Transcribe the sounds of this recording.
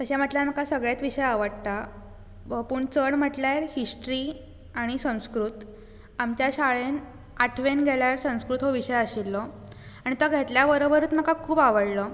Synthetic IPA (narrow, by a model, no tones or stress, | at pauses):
k̪əɕam̤əʈljaɾm̤akasəɡɭjet̪ʋiɕəjaʋəɽt̪a | puːɳt͡səɳm̤əʈljaɾhisʈɾi | aɽ̃isə̃w̃skɾut̪ | amt͡ɕjaɕaɭen | aʈʰʋenɡʱeljaɾsə̃w̃skɾut̪ɦoʋiɕəjəɕilːɔ | aɽ̃it̪ɔɡʱet̪ljaʋəɾəbəɾuːt̪m̤akakʰuːbaʋəɽlɔ